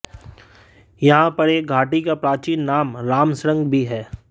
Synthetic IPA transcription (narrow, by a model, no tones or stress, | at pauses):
jɐɦãpɐɽeɡʱaːʈikapɾaːt͡ʃiːnːaːmɾaːmsɾə̃ŋɡbʱiɦɛː